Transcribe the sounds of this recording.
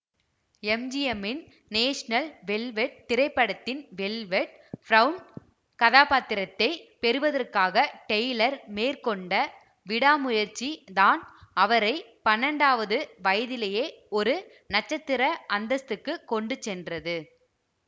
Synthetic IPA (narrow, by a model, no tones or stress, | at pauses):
ɛmd͡ʒɪjɐmɪn | neːʂnɐlʋɛlʋɛʈ̚t̪ːɪɾɐɪpːɐɽɐt̪ːɪnʋɛlʋɛʈ̚ | fɾɐʊɳ | kɐðaːpaːt̪ːɪɾɐt̪ːɐɪpɛɾɯʋɐðɐrkaːɣɐʈɛjlɐɾmeːrkɔɳɖɐ | ʋɪɽaːmʊjɐɾt͡ʃːiðaːnɐʋɐɾɐɪpɐnːɐɳɖaːʋɐðɯʋɐjɐðɪlejeːɔɾɯ | nɐt͡ʃːɐt̪ːɪɾɐʔɐnd̪ɐst̪ɯkːɯkːɔɳɖɯt͡ʃːɛndrɐðɯ